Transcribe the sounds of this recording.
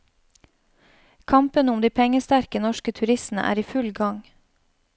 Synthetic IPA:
kʰɑmpənʊmd̪iːpʰɛŋəst̪æɾkənɔʃkət̪ʰʉɾɪst̪n̩ə̰ʔæ̰ːɾiːfʉlɡɑŋ

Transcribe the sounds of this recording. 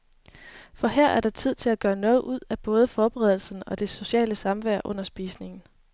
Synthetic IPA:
fɒ̽heɐ̰ʔæɐɾ̥ɑ̈t͡sʰið̞̰ˠt͡sʰe̝læɡ̥ɶːɐnɔ̽ːð̩ˠʔuð̞̰ˠæb̥ɔ̽ːð̞ˠəfɒːb̥eʁɛðˠl̩sn̩ɒ̽d̥e̝so̝ɕɛ̰ːləsɑ̈mʋæɐ̰ʔɔ̽n̰ɐsb̥ḭːsne̝ŋn̩

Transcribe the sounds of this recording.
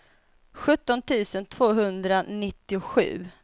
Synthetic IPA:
ɧɵt̪ːɔnt̪ʰʉ̟ːsənt̪ʰv̥oːɦɵnd̪ɾanɪt̪ːɪʊɧʉ̟ː

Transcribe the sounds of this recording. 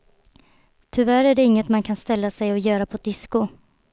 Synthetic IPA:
t̪ʰʏvæɾæɖɛɪŋːət̪mankʰanst̪ɛlːasɛjɔjœːɾapʰɔd̪ɪskʊ

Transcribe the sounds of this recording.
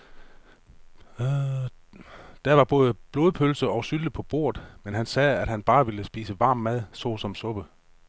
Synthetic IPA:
d̥æɐʋɑ̈b̥ɔ̽ːð̞ˠəb̥lo̝ːð̞ˠpʰølsəɒ̽ʊsyləpʰɒ̽b̥o̝̰ɐ̰ð̥ˠmenɦænsɛːæd̥hænb̥ɑ̈ːʋeləsb̥ḭːsəʋɑ̈ːmːæð̞̰ˠsɔ̰ːsɒ̽msɔ̽b̥ə

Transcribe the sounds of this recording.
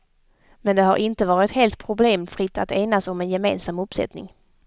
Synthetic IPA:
mɛnd̪ɛɦaɾʔɪnt̪əvɑːɾɪt̪heːlt̪̚pʰɾʊbleːmfɾɪt̪ːat̪eːnasɔmɛnjɛmḛːnsamɵpːsɛ̰t̪nɪ̰ŋ

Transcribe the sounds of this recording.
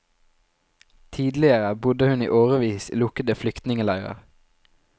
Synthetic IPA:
t̪ʰiːd̪lɪəʁəbʊd̪əhʉnḭːʔoːʁəʋiːslʊkəd̪əflʏkt̪nɪŋəlɑʉʁə̰ʁ

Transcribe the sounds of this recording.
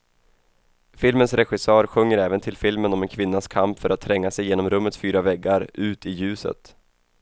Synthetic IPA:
fɪlmənsɾɛɧɪsœːɾɧɵŋjəɾɛːvənt̪ʰɪlfɪlmənɔmɛnkʰvɪnːaskʰampfœɾat̪ʰːɾɛŋːasɛjeːnɔmɾɵmːət̪sfyːɾavɛɡaɾʔʉ̟ːt̪ɪjʉ̟ːsə̰t̪

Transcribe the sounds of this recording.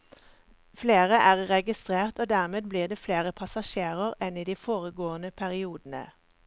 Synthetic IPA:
fleːʁəʔæːʁʁɛɡɪst̪ʁeːʁt̪oːd̪æːʁmeːd̪̚bliːʁd̪eːfleːʁəpʰɑsɑʃeːʁəʁɛniːd̪iːfoːʁəɡoːənəpʰæʁɪuːd̪ən̩ə̰

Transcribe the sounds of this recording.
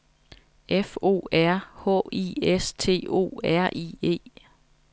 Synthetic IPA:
ʔefo̝̰ːæɐ̰hɔ̰ḭːest͡sʰe̝̰ːo̝̰ːæɐ̰ʔḭːe̝̰ː

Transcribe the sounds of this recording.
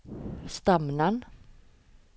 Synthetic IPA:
st̪amnan

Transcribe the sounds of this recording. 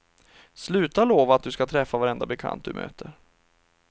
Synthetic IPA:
slʉ̟ːt̪aloːvaːt̪̚d̪ɵskat̪ʰɾɛfːavaɾɛnd̪abɛkʰa̰nt̪̚d̪ɵ̰mø̰ːt̪ʰəɾ

